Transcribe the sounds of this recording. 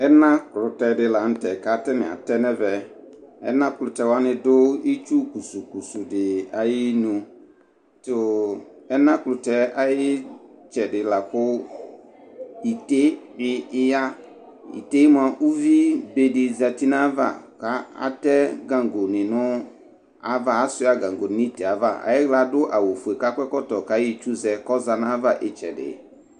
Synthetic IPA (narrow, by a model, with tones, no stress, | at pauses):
ɛ˦nã˦kʊ˨lʊ˨tɛ˨dɪ˨la˨n̩˦tɛ˨ka˨tɛ˦nɪ̰̃˨a̰˨tɛ˦nɛ˦vɛ˨ | ɛ̰˦nã˦kʊ˨lʊ˨tɛ˨wa˦nɪ̃˦dʊ˦ɪ˦t͡ʃu˦ku˨su˨ku˨su˨dɪ˨a˨jɪ˦nũ˨ | tʊ˨ɛ˦nã˦kʊ˨lʊ˨tɛ˦a˦jɪ˦t͡ʃɛ˨dɪ˨la˨kʊ˦ | i˨te˦bɪ˦ɪ˦ja˦ | ḭ˨te˦mʊ˦a˨ʔu˦vi˦be˨dɪ˨za˨ti˦nã˦va̰˦˨ka˨˦a̰˨˦tɛ˦ɡã˨ŋɡo˨nɪ̃˨nʊ̃˦ | a˦va˦a˦sʊ˦a˦ɡã˨ŋɡo˨n˨nĩ˦tɛ˨a˨va˦˨a̰˨jɪ˦ɣla˨dʊ˦ʔa˨wo˨fu˨e˨ka˦kʷɛ˦kɔ˦tɔ˨ka˦jɪ˦t͡ʃu˦zɛ˨kɔ˦za˨nã˦va˦ʔɪ˦t͡ʃɛ̰˨dɪ̰˨